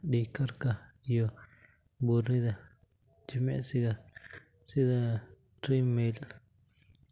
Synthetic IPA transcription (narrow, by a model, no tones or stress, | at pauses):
dikaɾkajo | buɾid̪ad͡ʒimḛsiɡa | sid̪a | ɾimela